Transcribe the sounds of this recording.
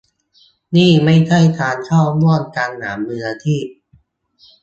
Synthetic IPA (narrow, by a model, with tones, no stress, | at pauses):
niː˥˩ma˥˩jt͡ɕʰa˥˩jt̪ʰaː˧nkʰaː˥˩wmu˥˩ənkaː˧nːaː˩˦mːɯː˧la˧t̪ʰiː˥˩p̚